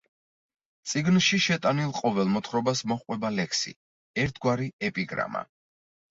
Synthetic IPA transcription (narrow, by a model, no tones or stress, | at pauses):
t̪sʼiɡnʃiʃɛt̪ʼanilˠqʼɔvɛlˠmɔt̪ʰχɾɔbasmɔχqʼwɛbalɛkʰsḭ | ɛɾt̪ʰɡwaɾiɛpʼiɡɾa̰ma̰